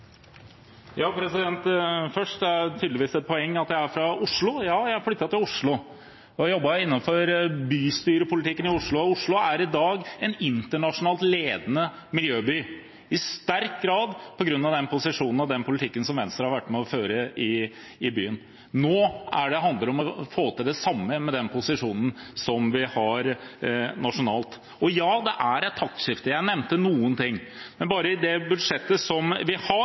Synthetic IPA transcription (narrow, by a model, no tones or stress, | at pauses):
jɑːpʰɾɛsɪd̪ɛnt̪fœʂʈæt̪ʰyːd̪lɪʋiːsɛt̪̚pʰɔɛŋːɑt̪jæɪæfɾɑʊʂɭʊjɑːjæɪæɾflʏt̪ːɑt̪ɪlʊʂɭʊ | ɔjɔbːɑɪnːɑnfɔɾbyːst̪yːɾəpʊlɪt̪ʰɪkːənɪʊʂɭʊɔʊʂɭʊæɾɪd̪ɑːɡɛnɪnt̪əɳɑʂʊnɑːlt̪leːd̪ənə | mɪljøːbyː | ɪst̪æɾkɡɾɑːd̪pʰɔɡɾʉnːɑʋd̪ɛnpʰʊsɪʂuːnn̩ɑʋd̪ɛnpʰʊlɪt̪ʰɪkːənsɔmʋɛnst̪ɾəhɑɾʋæʈːmɛɔføːɾəɪ | ɪbyːən | noːæɖɛɦɑnd̪ləɾɔmɔfoːt̪ɪld̪ɛsɑmːəmɛd̪ɛnpʰʊsɪʂuːnn̩sɔmʋɪhɑɾ | nɑʂʊnɑːlt̪ | ɔjɑːd̪ɛʔæɾɛt̪ʰːɑkt̪ʂɪft̪əjæɪnɛʋnt̪ənuːənt̪ɪŋːmɛnbɑːɾəɪd̪ɛbʉd̪ʂɛt̪ːəsɔmʋɪhɑ